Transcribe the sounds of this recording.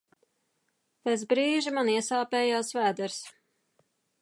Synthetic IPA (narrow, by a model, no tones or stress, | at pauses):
pesbɾiːʒimaniɛsaːpɛːjaːsvæːd̪ɛɾs